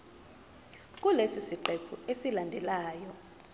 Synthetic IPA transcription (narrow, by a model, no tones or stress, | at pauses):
k̬ʼulesisiǃɛpʰuesilandʱɛlaːjɔ